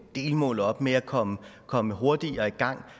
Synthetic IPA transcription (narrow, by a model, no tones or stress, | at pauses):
d̥e̝̰ːlmɔ̰ːlɒ̽b̥meækʰɒ̽məkʰɒ̽məɦo̝ɐd̥iɒ̽iɡ̥ɑ̈ŋ̰